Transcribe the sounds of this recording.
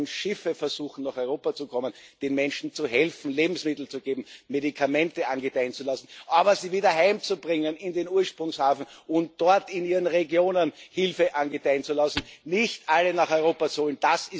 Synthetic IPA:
nʃɪfəfɛɐz̥uːxn̩naːχɔʏʁoːpat͡sukʰɔmənd̥enmɛnʃn̩t͡suhɛlfn̩leːbm̩smɪtl̩t͡suɡeːbm̩medikʰamɛ̃ntəanɡətæɪənt͡sulasn̩ʔaːbɐziːviːdɐhaɪmt͡subʁɪŋənɪndeːnuːɐʃpʁʊŋshaːfn̩ʊnt̚d̥ɔɐtɪniːʁənʁeɡjoːnənhɪlfəʔanɡətæɪənt͡sulasn̩nɪçtʔalːənaχɔʏʁoːpat͡suhoːlnd̥asɪ

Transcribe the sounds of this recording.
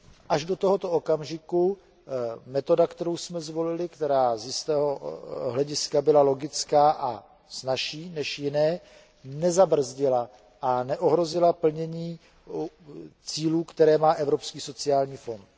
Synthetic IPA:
ʔaʒdo̞t̪o̞ɦot̪ookamʒɪku | mɛt̪o̞dakt̪ɛɾowsmɛzvo̞lɪlɪkt̪ɛɾaːzjɪst̪ɛːɦoɦlɛɟɪskabɪlalo̞ɡɪt͡skaːʔa̰ | snaʃiːnɛʃjɪnɛː | nɛzabr̩zɟɪla | ʔanɛʔo̞ɦɾo̞zɪlapl̩ɲɛɲiː | t͡siːluːkt̪ɛɾɛːmaːʔɛvɾo̞pskiːso̞t͡sɪaːlɲiːfo̞nt̪

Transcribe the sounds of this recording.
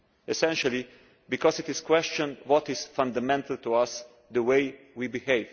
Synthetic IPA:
ɛsɛ̃nʃali | bikɔsɪt̪ɪskwɛst͡ʃɔ̃ndwɔt̪ɪzfãnd̪amɛ̃nt̪ʰalt̪uas | d̪əweɪ | wibiheɪv

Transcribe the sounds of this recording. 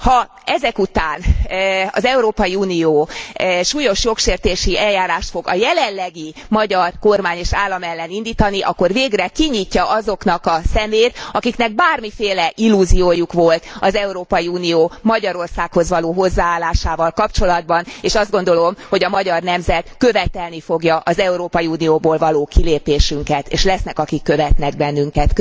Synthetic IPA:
hɒ | ɛzɛkut̪aːnɒ̰zɛuɾoːpɒjiuːnioːʃuːjo̞ʃjo̞kʃeːrt̪eːʃiɛljaːɾaːʃt̪fo̞ɡɒ̰jɛlɛlːɛɡi | mɒɟɒrko̞rmaːɲeːʃaːlːɒmɛlːɛnind̪iːt̪ɒniʔɒkːo̞rveːɡrɛkiɲiːcːɒʔɒzo̞knɒkɒsɛmeːt̪ɒkiknɛɡ̚baːrmifeːlɛʔilːuzioːjukʋo̞lt̪ɒzɛuɾoːpɒjiuːnioːmɒɟɒɾo̞rsaːkho̞zʋɒloːɦo̞zːaːaːlːaːʃaːvɒlkɒpt͡ʃo̞lɒd̪̚bɒneːʃɒzd̪̚ɡo̞nd̪o̞lo̞mho̞ɟɒmɒɟɒrnɛmzɛt̪kø̞vɛt̪ɛlnifo̞ɡjɒʔɒzɛuɾoːpɒjiuːnijoːboːlvɒloːkileːpeːʃyŋkɛt̪ḛːʃlɛsnɛkɒkikːø̞vɛt̪nɛɡ̚bɛnːyŋkɛt̪k

